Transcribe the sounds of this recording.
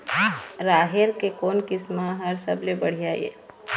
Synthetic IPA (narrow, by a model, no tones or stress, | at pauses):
ɾaːɦɪɾkekoːnkɪsmaɦɐɾsɐblebɐɽ̤ijaːjḛː